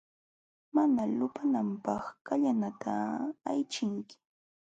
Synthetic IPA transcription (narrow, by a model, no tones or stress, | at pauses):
manalʊpanampɑχkaʎanat̪ʰaːjt͡ʃɪŋkɪ̥